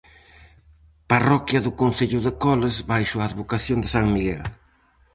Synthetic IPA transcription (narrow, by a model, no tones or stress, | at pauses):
parɔkjɐðʊkon̟θeʎʊðekɔlezβajʃoaːðβokaθjond̪ɪsaŋmiɣɛl